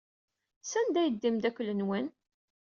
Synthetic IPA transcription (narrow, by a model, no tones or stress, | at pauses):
sænd̪æjəd̪ːimd̪ækʷːlənwən